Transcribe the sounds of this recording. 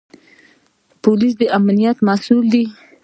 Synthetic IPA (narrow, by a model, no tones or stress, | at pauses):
polis̬d̪əʔamnijat̪masuld̪i